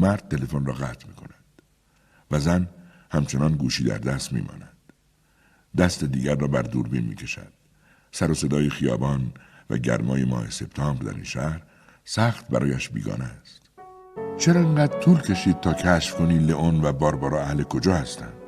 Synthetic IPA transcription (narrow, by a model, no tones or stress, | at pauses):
mæɾd̪̚t̪ʰːe̞le̞fonrɒːɣæːt̪ʰmiːkʰo̞næd̪̥ | væzæn | hæmt͡ʃʰe̞nɒːnɡuːʃiːd̪æ̰ɾd̪æst̪mḭːmɒ̰ːnæd̪̥ | d̪æst̪e̞d̪iːɡæɾːɒːbæɾd̪uːɾbḭːnmḭːcʲʰe̞ʃæ̰d̪̥̚ | sæɾose̞d̪ɒːjexijɒ̰ːbɒːnvæ̰ɟæ̰ɾmɒ̰ːjemɒ̰ːhe̞se̞b̥t̪ʰɒːmɾd̪æ̰ɾḭːnʃæhɾ | sæxt̪bæɾɒːjæʃbḭːɡɒ̰ːnest̪ | t͡ʃʰe̞ɾɒːeŋɡæːd̪ɾt̪ʰuːlkʰe̞ʃiːd̪̚t̪ʰɒːkʰæʃfkʰoniːleʔonvæbɒːɾbɒːɾɒːæhlekʰo̞d͡ʒɒːhæst̪æ̰nd̪̥